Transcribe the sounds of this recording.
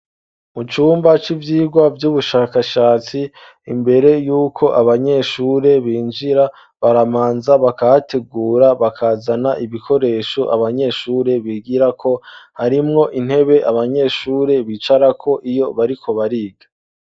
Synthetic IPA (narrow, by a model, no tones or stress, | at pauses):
mut͡ʃuːmbat͡ʃivjiːɡwavjuβuʃaːkaʃaːt͡siː | mbe̞ɾe̞juːkʰo̞ʔaβaɲe̞ʃuːɾe̞βiːnd͡ʒiɾa | βaɾamaːnzaβakahatʰe̞ɡuːɾaβakʰaːzanaʔiβikʰo̞ɾe̞ːʃoʔa̰βaɲe̞ːʃuːɾe̞βiɡiɾakʰo̞haɾimŋo̞ʔin̥he̞βe̞ʔaβaɲe̞ːʃuːɾe̞βit͡ʃaɾakʰo̞ʔijo̞βaɾikʰo̞βaɾiːɡḁ